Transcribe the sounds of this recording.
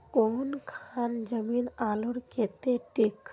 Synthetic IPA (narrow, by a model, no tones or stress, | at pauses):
onkʰand͡ʒəmiːnaːluɽket̪eʈik